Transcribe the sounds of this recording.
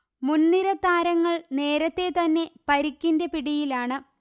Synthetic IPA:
munːiɾɐt̪aːɾɐŋːɐɭne̞ːɾɐt̪ːe̞t̪ɐnːe̞pɐɾikʲːindepiɽijilaːɳɨ

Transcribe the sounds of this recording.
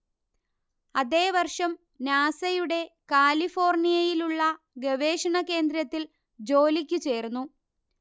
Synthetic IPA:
ɐðe̞ːʋɐrʂɐm | naːsɐjuɽe̞kaːlifo̞ːrnijɐjiluɭːɐ | ɡeʋe̞ːʂɐɳɐke̞ːnd̪ɾɐt̪ːil | d͡ʑo̞ːlikʲːut͡ɕe̞ːrnːu

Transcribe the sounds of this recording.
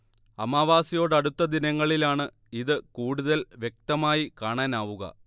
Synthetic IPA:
ɐmaːʋaːsijo̞ːɽɐɽut̪ːɐd̪inɐŋːɐɭilaːɳɨ | iðɨkuːɽuðɐlʋjek̚t̪ɐmaːjikaːɳaːnaːʋuɣɐ̰

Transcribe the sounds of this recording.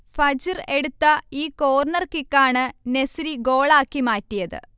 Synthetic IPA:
fɐd͡ʑireɽut̪ːɐiːko̞ːrnɐrkikːaːɳɨnesɾiɡo̞ːɭaːkːimaːtːijɐðɨ̰

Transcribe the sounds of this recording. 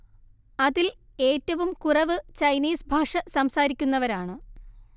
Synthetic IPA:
ɐðil | e̞ːtːɐʋumkurɐʋɨt͡ɕɐjniːsbʱaːʂɐsɐmsaːɾikʲːunːɐʋɐɾaːɳɨ

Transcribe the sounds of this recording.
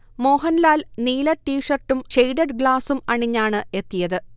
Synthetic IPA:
mo̞ːɦɐnlaːlniːlɐʈːiːʂɐrʈːumʂejɖɐɖɡɭaːsumɐɳiɲːaːɳɨe̞t̪ːijɐðɨ

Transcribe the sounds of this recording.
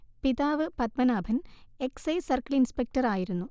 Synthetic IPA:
piðaːʋɨpɐt̪mɐnaːbʱɐne̞ksɐjsɐrkɐɭinspek̚ʈɐraːjiɾunːu

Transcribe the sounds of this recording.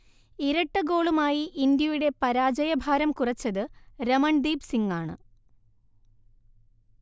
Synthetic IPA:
iɾɐʈːɨɡo̞ːɭumaːjiʔːnd̪jɐjuɽe̞pɐɾaːd͡ʑɐjɐbʱaːɾɐmkurɐt͡ɕːɐðɨɾɐmɐɳd̪iːbsiŋɡaːɳɨ̰

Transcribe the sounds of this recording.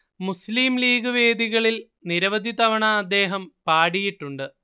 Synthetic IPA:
musliːmliːɡɨʋe̞ːd̪iɣɐɭil | niɾɐʋɐd̪ʱit̪ɐʋɐɳɐːd̪ːe̞ːɦɐmpaːɽijiʈːuɳɖɨ

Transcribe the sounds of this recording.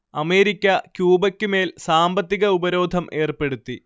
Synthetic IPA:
ɐme̞ːɾikʲːɐkjuːbɐkʲːume̞ːlsaːmbɐt̪ːiɣɐubɐɾo̞ːd̪ʱɐmʔe̞ːrpe̞ɽut̪ːi

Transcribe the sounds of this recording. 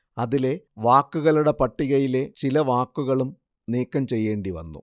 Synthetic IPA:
ɐðile̞ʋaːkːuɣɐluɽe̞pɐʈːiɣɐjile̞t͡ɕilɐʋaːkːuɣɐɭum | niːkːɐmt͡ɕe̞jːe̞ːɳɖiʋɐ̰nːṵ

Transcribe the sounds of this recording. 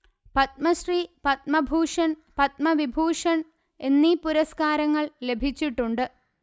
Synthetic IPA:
pɐt̪̚mɐɕripɐt̪̚mɐbʱuːʂɐnpɐt̪̚mɐʋibʱuːʂɐn | e̞nːipuɾɐskaːɾɐŋːɐɭle̞bʱit͡ɕːiʈːuɳɖɨ

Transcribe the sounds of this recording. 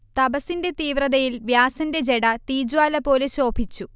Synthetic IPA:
t̪ɐbɐsinde̞t̪iːʋrɐðɐjilʋjaːsɐnde̞d͡ʑe̞ɽɐt̪iːd͡ʑwaːlɐpo̞ːleɕo̞ːbʱit͡ɕːu

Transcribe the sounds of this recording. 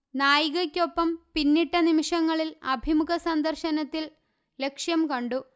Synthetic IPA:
naːjiɣɐkʲːo̞pːɐmpinːiʈːɐnimiʂɐŋːɐɭilɐ̰bʱimukɐsɐnd̪ɐrɕɐnɐt̪ːil | le̞kʂjɐmkɐɳɖu

